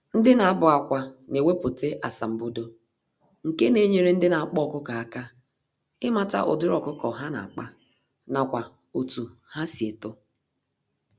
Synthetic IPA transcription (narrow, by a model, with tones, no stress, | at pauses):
n̩˦dɪ˦na˨a˦bʊ˨a˨kʷa˨ne˨we˦pʊ˨te˦ʔa˨sa˨m̩˨bo˦do˦ | ŋ̩˨ke˦ne˨ɲe˨ɾe˦n̩˦dɪ˦na˨a˨k͡pɔ˦˨kʊ˦ka˨a˦˨ka˦ | ɪ˦ma˨ta̰˦ʔʊ̰˨dɪ˦ɾɔ˨kʊ˦kɔ˨ɦa˦na̰˨a˨k͡pa˦ | na˨kʷa˨ | o˨tu˨ha˦si˨e˨tʊ˦